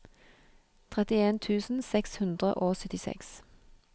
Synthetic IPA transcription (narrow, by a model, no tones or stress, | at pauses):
t̪ʰʁɛt̪ɪeːnt̪ʰʉːsn̩sɛkshʉnd̪ʁə̰ʔoːsœt̪ɪsɛ̰ks